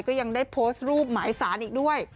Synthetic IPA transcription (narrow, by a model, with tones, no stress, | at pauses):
jkɔː˥˩ja˧ŋdaː˥˩jpʰoː˦˥st̪̚ɾuː˥˩p̚maː˩˦jsaː˩˦nʔiː˨˩k̚du˥˩əj